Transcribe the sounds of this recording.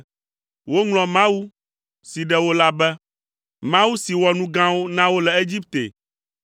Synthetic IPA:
wo˦ŋlɔ̃˨mã˦wu˦ | si˨ɖɛ˦wo˦la˦bɛ˦ | mã˦wu˦si˨wɔ˨nũ˦ɡã˦wo˦nã˦wo˦lɛ˨e˦d͡ʑi˦pt̪ḛ˨

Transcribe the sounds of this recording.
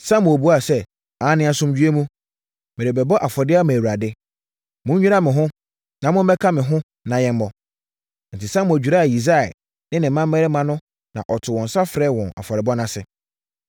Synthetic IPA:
sã˦mʊ̃˨o˨bu˦a˦˨sɛ˦ | a˨˦nɪ̃˦a˨sʊ̃˦md͡ʑᶣɥe˦mũ˦ | mɪ˨ɾɪ˨bɛ˨bɔ˦ʔa˨fɔ˨dɪ˦a˦mɛ̃˨wu˨ɾa˨dɪ˦ | mʊ̃˦ɲ˦ɲᶣi˦ɾa˦mɪ̃˨ɦʊ̃˦ | nã˨mʊ̃˦m˦bɛ˦kʰa˦mɪ̃˨ɦʊ̃˦ | nã˨jɛ̃˦m˦bɔ˦ | n̩˨tʰi˨sã˦mʊ̃˨æ˨d͡ʑᶣu˨ɾa˦˨ji˨s̬a˦˨ɛ̰˨ | nɪ̃˦nɪ̃˨˦mã˦m˦mɛ˦ɾɪ˦mã˦nʊ̃˦ | nã̰˨ʔɔ˨tʰʊ˨wɔ̃˨n˨sa˦fɾɛ˦˨wɔ̃˨na̰˨fɔ˨ɾɪ˨bɔ˦nã˦sɪ˨

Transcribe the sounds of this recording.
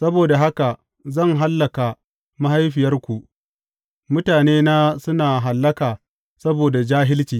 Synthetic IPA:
sɐ˦boː˨da˨ɦa˦ka˨ | zɐ˦˨ŋɦa˦lːɐ˨ka˨ | ma˦ha˦jɸɪ˨jɐ˦rkʷu˨ʔ | mʊ˦taː˨neː˦naː˦sʊ˦naː˨ɦa˨lːɐ˦kaː˨ | sɐ˦boː˨da˨d͡ʒaː˦ɦɪ˦lt͡ʃiː˨

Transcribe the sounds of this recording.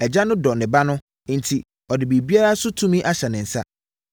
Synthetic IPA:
ɛ˨d͡ʑa˦nʊ̃˦dɔ˨nɪ̃˨ba˦nʊ̃˦ | n̩˨tʰi˨ | ɔ˨dɪ˨bi˨bi˦a˦ɾa˦sʊ˦tʰũ˦mĩ˦ʔa˦ɕɛ˨nɪ̃˨n̩˨sa̰˦

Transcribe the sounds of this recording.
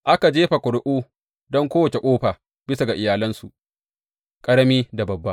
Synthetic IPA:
ʔa˦ka˨d͡ʒeː˦ɸa˨kʷʊ˨ɽʊ˦ʔuː˦ | dɔ˦ŋkʷoː˦wɐ˨t͡ʃe˨kʷʼoː˦ɸaː˨ | bɪ˦sa˨ɡa˨ʔɪ˨jaː˨lɐ˦nsu˨ʔ | kʼɐ˦ɽɐ˦miː˦da˨bɐ˨bːa˦ʔ

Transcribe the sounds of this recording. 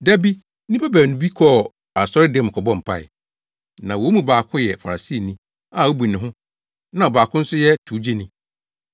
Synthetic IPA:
dæ˦bi˦ | nĩ˦pʰa˦bæː˨nʊ̃˨bi˦kʰɔ˦˨ | a˨sɔ˦ɾɪ˦dɛ̃˦˨m˨kʰɔ˨bɔ̃˦˨m̩˨pʰa̰˨ɪ̰˨ | nã˨wo˨˦mũ˦baː˨kʰʊ̃˦jɛ˨fa˨ɾa˨si˦˨nĩ˦ | a˨ɔ˦bu˨nɪ̃˨ɦʊ̃˦ | nã˦˨ɔ˨baː˨kʰʊ̃˦n̩˦sʊ˦jɛ˦tʰu˨˦d͡ʑe˦nĩ˦

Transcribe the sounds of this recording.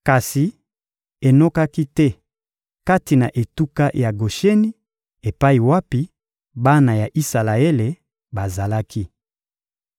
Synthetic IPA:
ka˨si˨ | e˨no˦ka˦ki˦tɛ˦ | ka˦ti˨na˨ʔe˨tu˦ka˦ja˨ɡo˨ʃe˦ni˦ | e˨pa˦i˨wa˦pi˦ | ba˦na˨ja˨ʔi˦sa˨la˨e˦le˨ | ba˨za˨la˦ki˦

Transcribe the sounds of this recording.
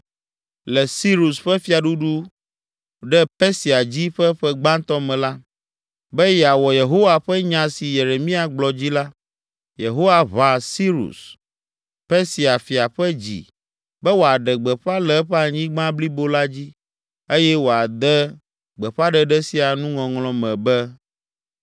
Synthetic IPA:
lɛ˨si˦ɾu˨sɸɛ˦fi˦a˨ɖu˦ɖu˦ | ɖɛ˦pɛ˦si˨a˨d͡ʑi˦ɸɛ˦ɸɛ˦ɡ͡bã˦nt̪ɔ˦mɛ̃˨la˦ | bɛ˦jɛ˨a˨wɔ˨je˨ɦo˦wa˨ɸɛ˦ɲã˨si˨je˨ɾe˨mĩ˦a˨ɡ͡blɔ˨d͡ʑi˦la˦ | je˨ɦo˦wa˨βa˨si˦ɾṵ˨s | pɛ˦si˨a˨fi˨a˨ɸɛ˦d͡ʑḭ˨ | bɛ˦wo˨a˨ɖɛ˨ɡ͡bɛ˨ɸa˦lɛ˦ɸɛ˦a˨ɲĩ˦ɡ͡bã˦bli˦bo˦la˦d͡ʑi˦ | e˦jɛ˦wo˨a˨d̪ɛ˦ | ɡ͡bɛ˨ɸa˦ɖɛ˨ɖɛ˦si˦a˨nũ˦ŋɔ̃˨ŋlɔ̃˨mɛ̃˨bɛ˦

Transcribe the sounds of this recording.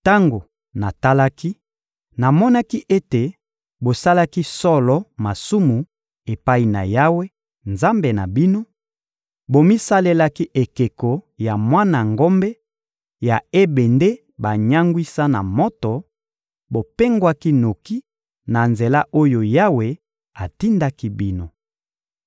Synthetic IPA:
ta˦ŋɡo˨ | na˨ta˦la˦ki˦ | na˨mɔ˦na˦ki˦ʔe˦te˨ | bo˨sa˦la˦ki˦sɔ˦lɔ˦ma˨su˦mu˨ | e˨pa˦i˨na̰˨ja˦we˦ | nza˦mbe˨na̰˨bi˦no˦ | bo˨mi˦sa˦le˦la˦ki˦ʔe˨ke˨ko˨ja˨mwa˦na˨ŋɡo˦mbe˦ | ja˨e˦be˨nde˦ | ba˨ɲa˦ŋɡwi˦sa˦na̰˨mɔ˦tɔ˨ | bo˨pe˦ŋɡwa˦ki˦no˨ki˦ | na˨nze˨la˦ʔo˦jo˨ja˦we˦ | a˨ti˦nda˦ki˦bi˦no˨

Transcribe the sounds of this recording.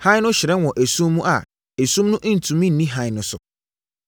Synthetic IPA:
hã˦ɪ˦nʊ̃˦ɕɪ˨ɾɛ˦wɔ̃˨ʔæ˨sũ˦mːũ˦ʔa˨ | æ˨sũ˦mnʊ̃˦ʔn̩˨tʰũ˨mĩ˦n̩˨nĩ˦ɦã˦ɪ˦˨nʊ̃˨sʊ˨

